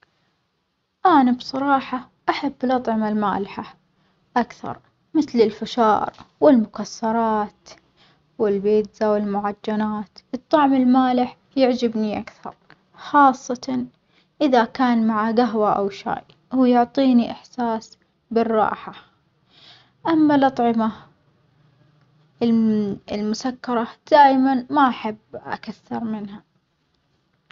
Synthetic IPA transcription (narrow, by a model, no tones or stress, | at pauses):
ʔaːnabsˤɑɾˤɑːħɑ | ʔaħabːlʔɑt̪ˤʕɪmalma̰ːlɪħa | ʔakθɑ̰ɾˤ | mɪθlɪlfɪʃɑ̰ːɾˤwɪlmʊkasːɑɾˤɑːt̪ | wɪlbeːd̪zawɪlmʊʕad͡ʒːanaːt̪ʔɨt̪ˤːɑʕmɪlmaːlɪħ | jɪʕd͡ʒɪbniʔakθɑ̰ɾˤ | xɑːsˤːɑt̪ɑ | ʔɪðakaːnmaʕaɡaɦwaʔawʃa̰ːjː | jʊʕt̪ˤiːniʔɪħsaːs | bɪrːɑ̰ːħa | ʔamːalʔɑt̪ˤʕɪma | lmʊsakːɑɾˤɑd̪̥aːjmanmaʔaħabːʔa̰kaθːɪɾˤmɪnɦa